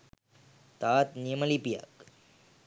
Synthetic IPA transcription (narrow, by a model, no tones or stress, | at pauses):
t̪aːt̪nijəmɐlipija̰k